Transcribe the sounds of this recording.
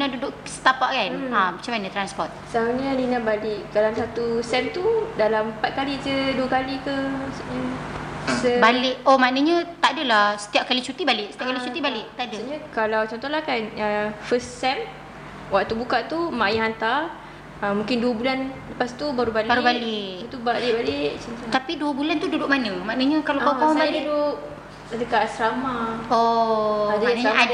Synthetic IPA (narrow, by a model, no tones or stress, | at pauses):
inadudʊʔsə̥t̪apaʔkanamat͡ʃamanə̃t̪ɾanspɔt̪̚saaɲəninabalɪʔkalamsat̪usɛnt̪udalampat̪̚kalid͡ʒəduəkalikəmasuɲə | səbalɪʔomanəɲə̃t̪aʔdəlahsə̥t̪iap̚kalit͡ʃut̪ibalɪʔsət̪iap̚kalit͡ʃut̪ibalɪʔt̪aʔdəɲãkalawt͡ʃɔnt̪ɔlahkanəfəsɛm | waʔt̪ubukaʔt̪umajaɦant̪ar | əmũŋkɪnduəbulanləpast̪ubaɾubalbaɾubalɪʔt̪ubalɪʔbalɪʔt͡ʃɔt̪t̪apiduəbulant̪ududʊʔ̚manəmaʔnəɲə̃kalawkaaabalduʔ | adəkaʔsɾamaoadanaɲaa